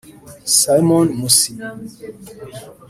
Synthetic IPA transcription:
sajmɔnmusi

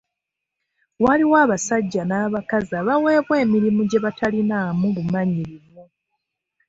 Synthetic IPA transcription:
waliwaːβasaɟːanaːβakazaβawe̞ːβwe̞ːmiɾimuɟe̞βatʰalinaːmulumaɲiɾimu

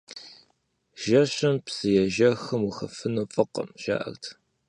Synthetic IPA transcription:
ʒɐɕɪmpsɨjɛʒɐxɨmuxɐfɨnufʼɨqɐ̰mʒa̰ːʔɐ̰rtʰ

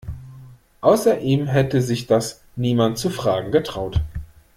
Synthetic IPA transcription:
ʔaʊsɐʔiːmɦɛtəzɪçd̥as | niːmantt͡sufʁ̥aːɡŋ̩ɡətʁ̥aʊt

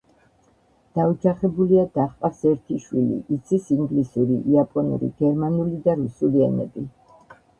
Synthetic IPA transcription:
d̪̥aud͡ʒaχɛbuliad̪̥aχqʼasɛɾt̪ʰiʃwilḭʔːt̪sʰisiŋɡlisuɾḭʔiapʼɔnṵɾḭɡ̥ɛɾmanulid̪aɾusuliɛ̰nɛ̰bi

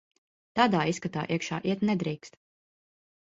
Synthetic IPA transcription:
t̪aːd̪aːiskat̪a̰ːʔiɛkʃa̰ːʔiɛt̪nɛd̪ɾiːkst̪

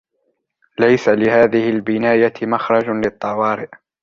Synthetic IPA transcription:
lajsalɪhaːðɪhɪlbɪnaːjamaxɾˤɑd͡ʒlɪt̪ˤːɑwɑːɾɪʔ

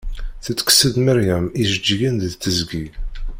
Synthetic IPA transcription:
θət͡sːə̥ksəðməɾjæmiʒəd͡ʒːəɡənððt͡sːəzɡi

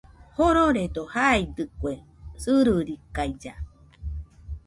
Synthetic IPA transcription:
hoɾoɾed̪ohaid̪ɨkʷe | sɨɾɯɾikajd͡ʒa

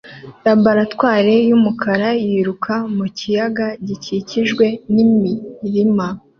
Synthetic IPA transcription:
ɾabaɾatwaːɾe̞jumukʰaɾajiɾukʰamucijaɡaɟiciciʒɡwe̞nimiɾima

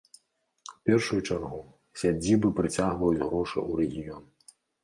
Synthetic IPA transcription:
wpʲɛrʂujut͡ʂarɣu | sʲad͡zʲibɨpɾɨt͡sʲaɣvɐjud͡zʲɣɾɔʂɨ̰uɾɛɣʲijɔn

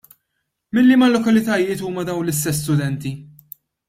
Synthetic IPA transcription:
mɪlːimɐlːɔkɐlɪt̪ɐjɪːt̪uːmɐd̪ɐwnlɪst̪ɛs̬ːt̪ʊd̪ɛnt̪i

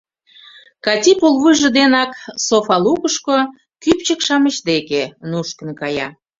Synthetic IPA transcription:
kɑtʲipolβɯʒə̆d̪enɑksofɑlukəʃko | kypt͡ɕəkʃɑmət͡ɕd̪ekenuʃkə̆nkɑjɑ̰

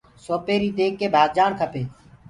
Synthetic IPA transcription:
soːpeːɾiːd̪eːkːeːbʱaːɡd͡ʒaːɳt̪ʰəpeː

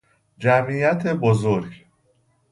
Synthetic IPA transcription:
d͡ʒæmiːjæt̪ʰe̞bozoɾɟ

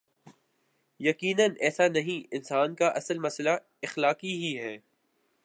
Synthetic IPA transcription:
jɐkiːnənɛːsanɐɦĩɪnsaːnkaʔɐsəlmɐsla | ɪxlaːqiɦiɦɛː

